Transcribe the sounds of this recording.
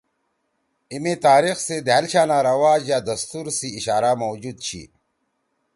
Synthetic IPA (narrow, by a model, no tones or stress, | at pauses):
imet̪aːɾixsed̪eɦɐlɕaːnaːɾɐwaːd͡ʑjaːd̪ɐst̪uɾsiːɕaːɾaːmowd͡ʑuːd̪̚t͡ɕʰḭ